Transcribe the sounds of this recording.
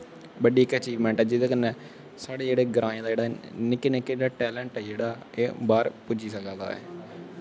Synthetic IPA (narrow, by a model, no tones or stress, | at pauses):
bəɖiːkət͡ʃiːʋmɛ̃ːɳʈɛːd͡ʒɪd̪eːkənːɛː | saːɽeːd͡ʒeːɽeːɡɾãːẽd̪aːd͡ʒeːɽaːnɪkːeːnɪkːeɽaːʈɛːləɳʈɛːd͡ʒeːɽaː | eːbaːɾpʊd͡ʒiːsəkãːd̪a̰ːɛ̰ː